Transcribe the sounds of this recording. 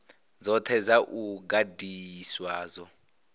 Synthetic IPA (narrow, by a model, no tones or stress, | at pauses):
d͡zɔt̪ʰɛd͡zaʔuɡadiswaːzɔ